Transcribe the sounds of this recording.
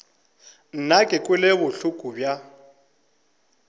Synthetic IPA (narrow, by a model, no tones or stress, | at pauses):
n̩nakʼɪkʼʊleβʊɬʊkʼubja